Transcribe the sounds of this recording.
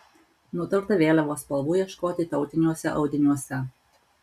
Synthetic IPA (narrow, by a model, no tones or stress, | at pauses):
nʊt̪ɐɾt̪ɐʋʲeːlʲɛʋoːspɐlˠbuːjiɛʃkoːt̪ʲɪt̪ɒʊt̪ʲɪnʲuɔsʲɛ̰ʔɒʊd̪ʲɪnʲuɔsʲɛ